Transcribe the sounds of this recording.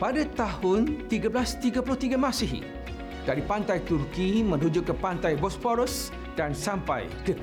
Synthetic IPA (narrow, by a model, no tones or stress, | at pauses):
padat̪ahʊnt̪iɡablast̪iɡapulʊht̪iɡamãsiɦ | d̥aɾipant̪ajt̪urkimə̃nud͡ʒʊkːəpant̪ajbɔsfɔɾəs | dansampa̰jkə